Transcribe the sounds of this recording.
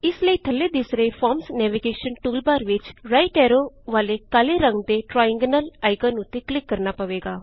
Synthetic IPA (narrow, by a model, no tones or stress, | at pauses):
ɪsləiːt̪ʰəlːed̪ɪsɾəepʰɔːɾmsnɛːʋiɡeːʃənʈuːlbaːɾʋɪt͡ʃɾaːɪʈɛːɾoʋaːlekaːleɾə̃ŋɡd̪eʈɾaːɪ̃ŋɡnəlaːɪɡanʊt̪ːeklɪkːɐɾnaːpɐʋeːɡaː